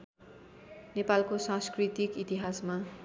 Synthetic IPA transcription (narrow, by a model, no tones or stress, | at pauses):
nepalkosãskrit̪ikit̪iɦasma